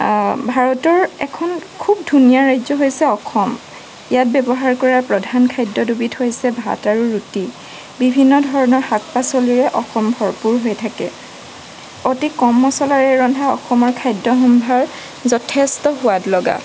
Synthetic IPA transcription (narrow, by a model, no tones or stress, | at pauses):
bʱaɹɔtɔɹɛkʰɔnkʰub̚dʱunijaɹajzɔɦojsɛɔxɔm | ijat̚bɛbɔɦaɹkɔɹapɹɔdʱankʰajdɔdubithojsɛbʱa̰taɹuɹuti | bibʱinːɔdʱɔɹɔnɔɹhak̚pasoliɹɛʔɔxɔmbʱɔɹpuɹɦojtʰakɛ̰ | otikɔmːɔsɔlaɹɛɹɔndʱaɔ̰xɔmɔɹkʰajdːɔɦɔmbʱaɹ | zɔtʰestɔɦʊwatlɔɡa̰